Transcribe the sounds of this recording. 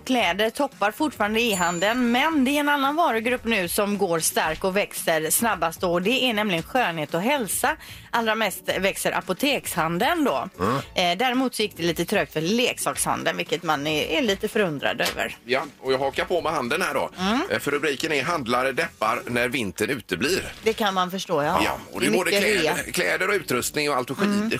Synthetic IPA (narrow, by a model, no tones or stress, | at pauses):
kʰlɛːd̪əɾt̪ʰɔpːaɾfʊʈfɑːɾand̪əɪɦand̪ənmɛnd̪ɛɛɾɛnanːanvɑːɾəɡɾɵpːnʉ̟ːsɔmɡoːɾst̪aɾkɔvɛksəɾsnabːast̪ɔɔd̪ɛʔæɳɛmlɪɡənɧøːnheːt̪ɔɦɛlsaʔalːɾamɛst̪vɛksəɾʔa̰pʊt̪ʰeːkshand̪ənd̪ɔ | d̪æɾɪmuːt̪sɔjɪk̚ːd̪ɛliːt̪ət̪ʰɾøːk̚t̪fœleːksɑːksha̰nd̪ənvɪlkːət̪manɛɛliːt̪əfœɾɵnd̪ɾa̰d̪ø̰ːvə̰ɾjaɔjɑɡhɑːkaɾpʰomɛhand̪ənhæːɖɔ̰fœɾɵbɾiːkənɛɦand̪laɾəd̪ɛpːa̰ɾnæɾvɪnt̪ənʉ̟ːt̪əbliːɾd̪ɛkʰanmanfœʂʈoːjaja̰ɔ̰d̪ɛboːd̪əlkʰlɛːd̪əɾɔʉ̟ːt̪ɾɵst̪nɪŋɔalt̪ɔɧiːə